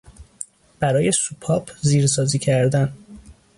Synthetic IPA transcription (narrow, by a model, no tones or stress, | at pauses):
b̥æɾɒːje̞supʰɒːpʰziːɾsɒːziːcʰæɾd̪æn